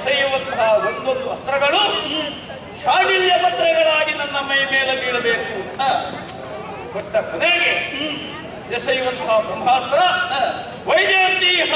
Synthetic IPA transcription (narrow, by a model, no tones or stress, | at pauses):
sɐjuʋɐnt̪ɐɦɐond̪onɖuɐst̪ɾɐɡɐɭu | ʃaːniljɐpɐt̪ɾɐɡɐɭaːɡinɐnːɐmɐjmeːleniːɽɐbeːku | ɡoʈːɐkuneːɡe | j̪ɐsɐjuʋɐnt̪ɐɦɐbumɦaːst̪ɾɐ | ʋɐjd͡ʒaːnt̪iɦ